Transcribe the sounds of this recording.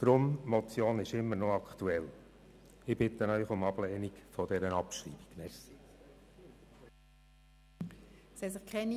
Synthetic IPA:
d̥ɾʊmmɔt͡sjoːnɪʃɪmːənoɑkt̪uɛl | ɪb̥ɪt̪ənœʏχʊmɑblɛːnikfɔdɛɾənɑpʃɾḭːb̥i̥ɡ̥nɛsi | shɛsɪχkʰɛn

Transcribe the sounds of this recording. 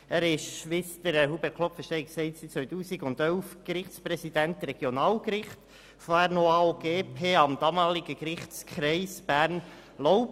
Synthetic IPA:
æːɾɪʃʃʋɪst̪əɾəhubɛɾkʰlɔpfəɾʃtɛɪɪksɛɪtsit͡sʋœʏtuːsiɡʊnd̥̪œlfkɾɪχtt͡spɾɛsid̥ænt̪ɾɛɡ̥jonɑːlkɾɪχt | foɛɾnoaɡ̥eːpʰeːɑmd̥ɑmɑːlɪɡəkɾɪχtskχɾɛɪsb̥æːɾn | loʊ

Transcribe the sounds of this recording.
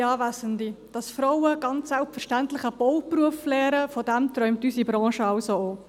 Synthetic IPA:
ɑːvæsəndid̥ɑsfɾoʊəɡ̥ɑnt͡ssɛlpfəɾʃtæntlɪxəb̥oʊpruəflɛːɾəfɔdɛmt̪ɾœʏmtysibɾɑ̃ːʃəɑʊsooː

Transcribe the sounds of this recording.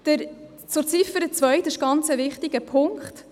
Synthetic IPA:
d̥̪əɾ | t͡sʊɾt͡sɪfəɾət͡svœʏt̪ɪʃɡ̥ɑnt͡səvɪχtiɡəpʰʊŋkχt̪

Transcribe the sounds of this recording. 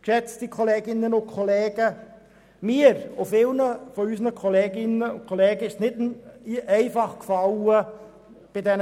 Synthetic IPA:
kʃɛt͡stikʰoleːɡɪnːənʊnkʰoleːɡ̥ə | miəɾofɪlnəfɔysənəkʰoleːɡɪnəʊ̰nkʰoleːɡəɪʃtnɪd | ɛɪfɑχkfɑlə | b̥ɪdɛn

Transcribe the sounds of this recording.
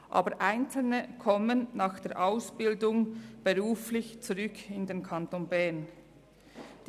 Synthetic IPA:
ʔɑ̰ːbəɾʔaɪnt͡sl̩nəkʰɔmənːɑːxd̥eːɐʔaʊsb̥ɪldʊŋb̥əʁuːflɪçt͡suʁʏkʰɪndenkʰɑntoːnbɛɐn | d̥

